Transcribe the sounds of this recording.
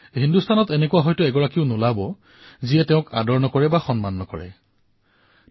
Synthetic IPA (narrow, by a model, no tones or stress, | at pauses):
ɦindustʰanɔtenekuwaɦɔjtʊɛɡɔɹakiʊnʊlabɔ | ziɛtɛʊ̃kadɔɹnɔkɔɹɛbaxɔnmanːɔkɔɹɛ̰